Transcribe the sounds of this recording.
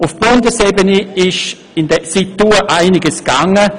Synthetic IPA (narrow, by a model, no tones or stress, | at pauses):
ʊfb̥ʊndəsɛbəniɪʃ | ɪndəsit̪ːuːəʔaɪnɪɡəsɡ̥aŋːə